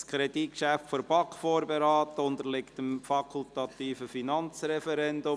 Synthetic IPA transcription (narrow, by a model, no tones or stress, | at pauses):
skʰɾɛdikʃæftfoɾb̥ɑkfoːɾbeɾɑːtəʊnd̪əɾlɪktəmfɑkʰʊltɑtiːfəfinɑnt͡srɛfɛɾɛndʊ